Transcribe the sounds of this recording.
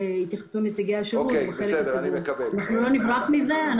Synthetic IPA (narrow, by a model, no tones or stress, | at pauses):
it̪jaχḁsumet͡siɡejaʃeubeχelevanaχnulo̞nivʁaχmizean